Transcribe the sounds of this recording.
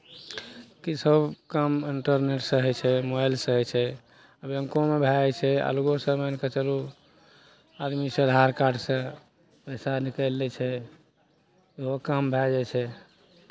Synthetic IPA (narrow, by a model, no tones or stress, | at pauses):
kisəbkəmiɳʈəɾneʈsəɦɛt͡ʃʰɛmobajlsəɦɛt͡ʃʰɛ | əbə̃ŋkomebʱɛt͡ʃʰɛa̰luɡosə̃mənket͡ʃəlu | ad̪misəd̪ʱaɾkaɾɖsẽ | pəɪsanikəlːɛt͡ʃʰɛ | iɦokəmbʱɛd͡ʒɛt͡ʃʰɛ